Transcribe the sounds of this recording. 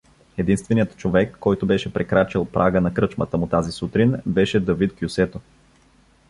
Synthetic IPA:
ɛd̪inst̪vɛnijət̪t͡ʃovɛkːɔjt̪ʊbɛʃɛpɾɛkɾat͡ʃəlˠpɾʔaɡənɐkɾɤt͡ʃmət̪əmʊt̪azisut̪ɾinbɛʃɛd̪ɐvit̪kjusɛt̪o

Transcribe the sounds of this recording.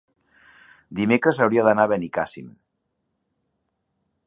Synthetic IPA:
d̪imekɾəzawɾiaðanaβenikasḭm

